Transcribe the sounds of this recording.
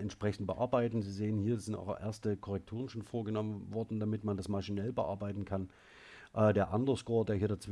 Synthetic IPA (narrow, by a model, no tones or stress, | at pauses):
ɛntʃpʁ̥ɛçn̩t̚b̥əʔa̰ɐbaɪtn̩ziːzeːənhiːɐzɪnta̰ʊʔḛːɐstəkʰɔʁɛk̚tʰuːʁ̞ənʃoːnfoːɐɡənɔmənvɔɐdn̩damɪtmandasmaʃinɛlbəʔa̰ɐbaɪtn̩kʰan | ʔɛdeːɐʔandɐskoːɐdeːɐhiːɐdat͡sv̥